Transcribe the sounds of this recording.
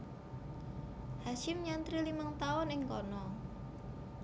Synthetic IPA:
haʃɪmɲant̪ɾilimaŋt̪aʊnɪŋkɔnɔ

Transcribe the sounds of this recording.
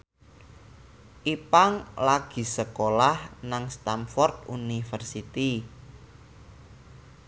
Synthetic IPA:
ʔipaŋlaɡ̥i̤səkolahnaŋst̪amfɔrt̪̚unifərsit̪i

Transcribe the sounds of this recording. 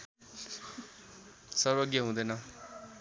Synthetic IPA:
sʌrbʌɡjʌɦũd̪ʌjnʌ

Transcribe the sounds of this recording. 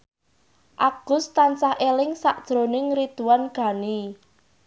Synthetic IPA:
ʔaɡ̥ʊ̤st̪ant͡ʃahʔelɪŋsaʔd̥ʒ̥ɾo̤nɪŋɾid̪̥uwanɡ̥ä̤ni

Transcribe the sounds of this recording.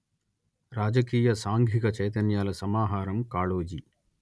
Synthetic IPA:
ɾaːd͡ʒɐkiːjɐsaːŋɡʱikɐt͡ʃɐjt̪ɐnjaːlɐsɐmaːɦaːɾɐmkaːɭoːd͡ʒi

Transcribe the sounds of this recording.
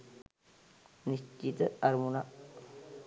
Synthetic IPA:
nist͡ʃːit̪ɐɐɾmuna

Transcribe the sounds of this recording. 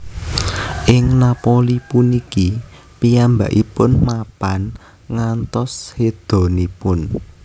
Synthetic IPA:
ʔɪŋnapolipuniki | pijamba̰ʔipʊnmapan | ŋant̪ɔshed̪̥o̤nipʊn

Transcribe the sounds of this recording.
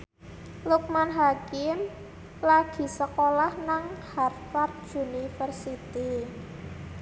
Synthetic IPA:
luk̚manɦakɪm | laɡ̥i̤səkolahnaŋharfard̪̚d͡ʒunifərsit̪i

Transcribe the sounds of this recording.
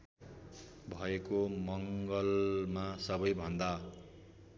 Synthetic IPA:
bʱʌekomʌŋɡʌlmasʌbʌjbʱʌnd̪a

